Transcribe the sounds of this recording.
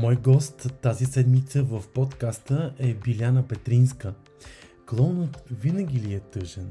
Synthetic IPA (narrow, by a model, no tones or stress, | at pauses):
mɔjɡɔst̪ːazisɛd̪mit̪səvɐfpot̪kast̪əʔɛbilʲjanəbɛt̪ɾinskə | klˠɔnot̪vinəɡ̟ʲiliɛt̪ɤʒɛn